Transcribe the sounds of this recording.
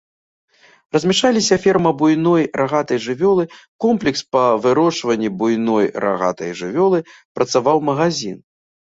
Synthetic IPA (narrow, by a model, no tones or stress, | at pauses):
rɐzʲmʲɛʂalʲisʲɐfʲɛrmɐbujnɔjraɣat̪ɐjʐɨvʲɔlˠɨkɔmplʲɛkspɐvɨɾɔt͡ʂvɐnʲːibujnɔjɾa̰ɣa̰t̪ɐ̰jʐɨvʲɔlˠɨpɾɐt̪savawmɐɣazʲin